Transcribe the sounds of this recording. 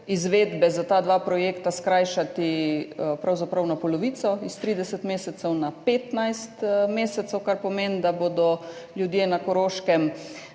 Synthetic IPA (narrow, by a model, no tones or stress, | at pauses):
izʋeːd̪bɛzat̪aːd̪ʋapɾɔjeːkt̪askɾaːjʃat̪ipɾawzapɾawnapɔlɔʋiːt̪sɔist̪ɾiːd̪ɛsɛt̪meːsɛt̪sɛwnapeːt̪najst̪meːsɛt̪sɛwkaɾpɔmend̪abod̪ɔ | ljud̪jeːnakɔɾoːʃkɛm